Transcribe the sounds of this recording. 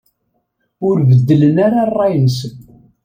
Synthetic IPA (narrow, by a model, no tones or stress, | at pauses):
ʊɾvəd̪ːələnaɾarˤːɑjənsən